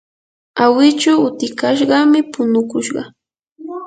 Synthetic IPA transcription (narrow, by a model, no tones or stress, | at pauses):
awɪt͡ʃaʊt̪ɪkaʃ̬ɢɑmɪpʊnʊkʊʃɢɑ̰